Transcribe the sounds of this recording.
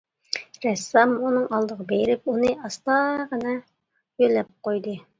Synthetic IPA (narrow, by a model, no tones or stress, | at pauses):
ɾɛsːɑmunɨŋɑlˠd̪əʁɑbejɾɪp̚unɨɑst̪ɑʁənɑ | jølɛp̚qojd̪ɨ